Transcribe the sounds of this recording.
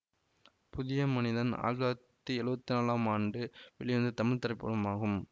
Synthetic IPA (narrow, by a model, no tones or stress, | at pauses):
pʊðɪjɐmɐnɪðɐna̰ːɾat̪ːiɛɻɯbɐt̪ːɯnaːlaːmaːɳɖɯʋɛɭɪʋɐnd̪ɯt̪ɐmɪɻt̪ɐɾɐɪpːɐɽɐmaːɣɯm